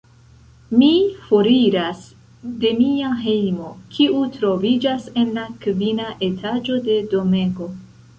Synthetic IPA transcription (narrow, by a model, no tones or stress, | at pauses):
mifo̞ɾiɾas | de̞miaɦe̞jmo̞kʰiutɾo̞vid͡ʒase̞nlakvinaʔe̞tʰad͡ʒo̞de̞do̞meɡo̞